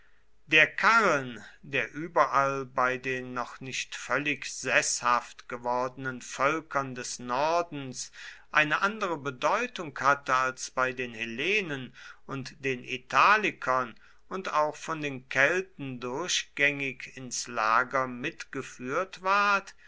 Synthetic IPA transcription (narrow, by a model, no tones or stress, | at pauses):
d̥eːɐkʰaʁəndeːɐʔyːbɐʔalbaɪdeːnːɔχnɪʃtfœlɪkz̥ɛshaftɡ̥əvɔɐdənənfœlkɐndɛsnɔɐdn̩sʔaɪnəʔandəʁəbədɔʏtʊŋkhatəalsb̥aɪdeːnheleːnənʊntd̥eːnʔḭtʰaːlɪkʰɐn | ʊntaʊxfɔndeːnkʰɛltn̩dʊɐɕɡ̥ɛŋɪkʰɪnslaːɡɐmɪtɡ̥əfyːɐtv̥aɐt